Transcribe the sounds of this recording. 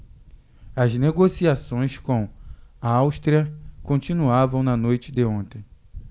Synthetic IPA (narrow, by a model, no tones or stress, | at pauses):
ɐzneɡosiasõj̃skõw̃ɐawʃt̪ɾiɐkõnt͡ʃĩnuavɐ̃w̃nɐnojt͡ʃɪd̪ɪõnt̪ẽj̃